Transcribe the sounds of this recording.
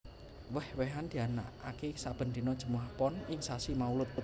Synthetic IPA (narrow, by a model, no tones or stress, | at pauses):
wəhwɛɦand̪̥i̤ana̰ʔa̰kesab̥ə̤nd̪i̤nɔd̥ʒ̥ə̤muahpɔnɪŋsasimaulʊt̪̚u